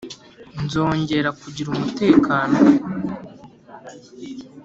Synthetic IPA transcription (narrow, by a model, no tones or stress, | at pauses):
nzo̞ːɲɟe̞ɾakuɟiɾumute̞ːkaːno̞